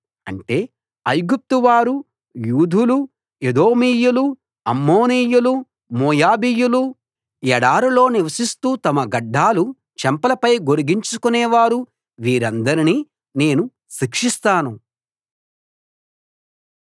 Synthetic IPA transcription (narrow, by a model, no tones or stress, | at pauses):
ɐ̰ɳʈe̞ː | ɐjɡup̚t̪uʋaːɾu | juːd̪ʱulu | ed̪o̞ːmiːjulu | ɐmːoːniːjulu | moːjaːbiːjulu | jɛɽaːɾulo̞ːniʋɐsist̪uːt̪ɐmɐɡɐɖːaːlu | t͡ʃɛmpɐlɐpɐjɡo̞ɾiɡiɲt͡ʃukunɛːʋaːɾu | ʋiːɾɐnd̪ɐɾiniː | ne̞ːnu | ʃikʂist̪aːnu